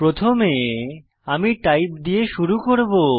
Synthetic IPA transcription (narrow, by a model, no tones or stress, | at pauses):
pɾot̪ʰome | amiʈajpd̪ieʃuɾukoɾbo